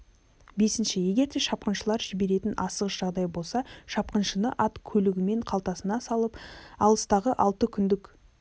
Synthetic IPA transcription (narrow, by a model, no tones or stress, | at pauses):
be̞sɪnʃɪje̞ɡʲe̞ɾd̪e̞ʃɑp̚qənʃəlˠɑɾʒɪbe̞ɾe̞t̪ɪnʔɑsəʁəsʒ̥ɑʁd̪ɑjbo̞lˠsɑʃɑp̚qənʃənəʔɑt̪kʲʰɵlɪɡʲɪme̞ɴqʰɑlˠt̪ɑsənɑsɑlˠəpɑlˠəst̪ɑʁəʔɑlˠt̪əkʲʰʏnd̪ɪkʲ